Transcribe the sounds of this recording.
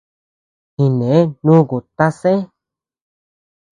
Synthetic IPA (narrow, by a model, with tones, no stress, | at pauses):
hĩ˨nẽ˨e˦nũ˦ku˨t̪a˦sẽ˦